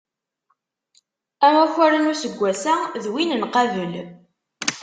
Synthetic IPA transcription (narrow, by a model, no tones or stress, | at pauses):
æmæçæɾənusəɡʷːæsæðwinənqɑvəl